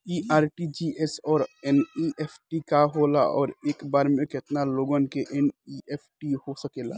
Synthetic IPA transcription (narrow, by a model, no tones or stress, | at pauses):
iʔaːɾʈid͡ʒiesɔːɾeniʔepʰʈikaɦola̰ɔ̰ːɾeːkbaːɾmẽket̪naloɡənkeʔeniepʰʈiɦosəkela̰